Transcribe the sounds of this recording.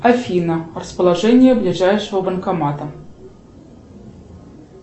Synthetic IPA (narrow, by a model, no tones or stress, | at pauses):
afʲinɐrəspəlˠaʐɛnʲɪjəblʲɪʐajʂɨvəbənkamat̪ə